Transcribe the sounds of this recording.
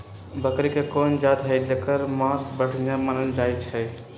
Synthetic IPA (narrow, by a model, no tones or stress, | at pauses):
bəkɾikekond͡ʒat̪ɦəjd͡ʒəkəɾmãsbəɽ̤ʰjãmənənd͡ʒajt͡ʃʰɛ